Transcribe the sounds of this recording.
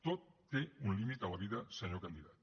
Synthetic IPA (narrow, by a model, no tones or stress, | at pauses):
t̪ot̪ːeunlimit̪awaβiðɐsəɲokand̪iðat̪